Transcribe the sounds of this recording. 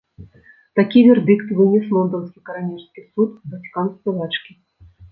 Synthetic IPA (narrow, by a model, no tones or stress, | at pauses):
t̪akʲivʲerd̪ʲɨkt̪vɨnʲislˠɔnd̪ənskʲijkɐɾanʲirskʲijsut̪vɐtʲi̥kanskɔlˠɑt͡ʃkʲi